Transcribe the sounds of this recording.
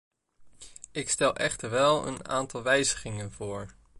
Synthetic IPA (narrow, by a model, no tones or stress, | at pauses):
ɪkstɛlˠʔɛχtəɹʋɛlˠə̰na̰ːntɑlˠʋɛjzəχɪŋənv̥ʊːɹ